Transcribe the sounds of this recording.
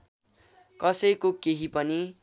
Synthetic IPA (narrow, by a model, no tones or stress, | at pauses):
kʌsʌjkokeɦipʌni